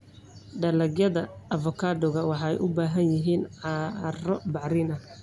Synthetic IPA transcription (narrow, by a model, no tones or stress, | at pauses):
ɖɐlɐɡjɐðɐɐfɔkʰaːdɔɣɐwɑħɑɛjʔʊbaːɦɐnjɪɦiːnɑrɔbɑʕɾɪnɐ